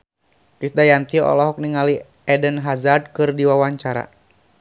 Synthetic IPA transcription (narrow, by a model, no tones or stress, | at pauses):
kisdajant̪iɔʔɔ̰lɔɦɔk̚niŋali | ɛdənɦazad̚kɨrdiwawaɲt͡ʃaɾa̰